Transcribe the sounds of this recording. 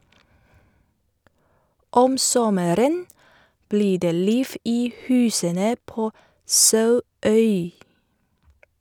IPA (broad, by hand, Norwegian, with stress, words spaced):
ˈɔm ˈsɔməɾən ˈbliː ˈdeː ˈliːf ˈiː ˈhʉːsənə ˈpoː ˈsɑʉˌœʏ